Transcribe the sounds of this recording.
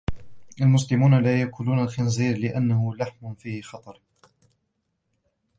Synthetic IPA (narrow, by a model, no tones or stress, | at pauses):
ʔalmʊs̬lɪmuːnalaːjakʰʊluːnalxɪnziːɾlɪʔanːaɦʊlaħmʊfiːhɪxɑt̪ˤɑɾˤ